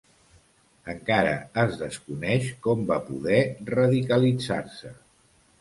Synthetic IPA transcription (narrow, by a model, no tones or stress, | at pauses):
əŋkaɾə̰əzðəskunɛʃkɔmbapuðɛrəðikəlid͡za̰rsə